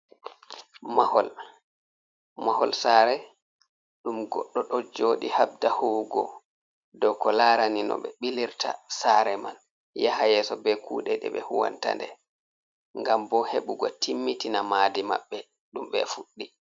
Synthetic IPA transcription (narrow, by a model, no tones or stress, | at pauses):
mahɔl | mahɔlsaːɾɛ | ɗumɡɔ̰ɗːɔɗɔd͡ʒoːɗihab̚dahuɡɔ̰ | dɔkɔlaːɾaninɔ̰ɓɛɓiliɾtʰasaɾɛman | jahajɛsɔbɛkʰṵːɗɛɗɛ̰ɓɛ̰huwa̰nta̰ndɛ | ŋɡambɔheɓuɡɔtʰimːitinamaːdima̰ɓːɛ | ɗumɓɛ̰fuɗːi